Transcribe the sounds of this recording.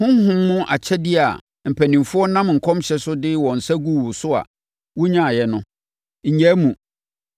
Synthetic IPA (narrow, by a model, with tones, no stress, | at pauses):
hʊ̃˦hʊ̃˦mːʊ̃˦ʔa˨t͡ɕʰɛ˦dɪ˦a˨ | m̩˨pʰæ˨nĩ˨mfʊ˦ɔ˦nã˦mŋ̩˨kʰɔ̃˦mɕɛ˨sʊ˦dɪ˦wɔ̃˨n̩˨sæ˦ɡu˦˨wʊ˨sʊ˦a̰˨ | wʊ˦ɲã˦˨jɛ˨nʊ̃˦ | ɲ̩˨ɲɛ̃˦mũ˨